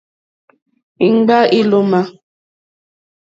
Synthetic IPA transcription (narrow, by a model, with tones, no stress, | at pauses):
i˨˦ŋ͡m̩˦ɡ͡ba˦ʔi˦lo˦ma˦